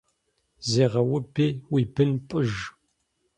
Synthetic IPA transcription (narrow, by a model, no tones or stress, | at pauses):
zeːʁɐwʊbeːwibɨnpʼɨʒ